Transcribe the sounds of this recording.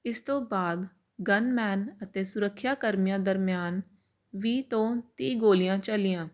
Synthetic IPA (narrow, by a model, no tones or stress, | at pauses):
ɪst̪õːbaːd̪ | ɡənmɛːnət̪eːsʊɾəkʰːjaːkəɾmɪjãːd̪əɾmɪjaːn | ʋiːt̪õːt̪iːɡoːlɪjãːt͡ʃəlɪjãː